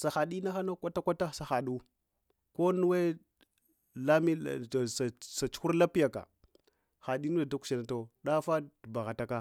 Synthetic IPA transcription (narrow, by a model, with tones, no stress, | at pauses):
sa˨xa˨ɗi˦na˦xa˦na˦kʷa˦ta˦kʷa˦ta˦sa˨xa˨ɗu˦ | ko˦nu˦we˦ | la˦mi˦˨sa˨sa˨t͡ʃu̥˦xu˦ɾla˦pi˦ja˨ka̰˨ | xa˨ɗi˦nu˦da˨da˦ku̥˨˦a˨na˨to˨ɗa˦fa˦dba˨ɣa˨ta˦ka˦